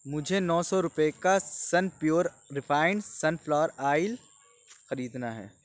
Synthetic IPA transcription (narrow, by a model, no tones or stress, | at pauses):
mʊd͡ʒʱenɔːsɔɾʊpekasɐnpjoːɾː | ɪfʰaːɪɳɖsɐnflɔːɾaːɪl | xɐɾiːd̪naɦɛ̰ː